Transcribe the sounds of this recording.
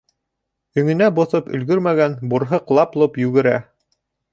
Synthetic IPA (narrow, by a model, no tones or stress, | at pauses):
ɵ̆ŋɘ̆næbŏθɤpɵ̰̆lɡɵɾmæɡænbuɾɦɤqlˠɑplˠɤpjʉɡɘ̆ɾæ